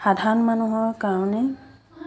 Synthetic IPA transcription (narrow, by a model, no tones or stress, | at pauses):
xadʱaɹɔnmanuɦɔɹkaɹɔnɛ